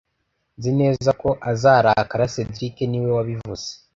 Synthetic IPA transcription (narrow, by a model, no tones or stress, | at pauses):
zine̞ːzako̞ʔazaːɾakaɾase̞dɾike̞niwe̞waβivuz̥e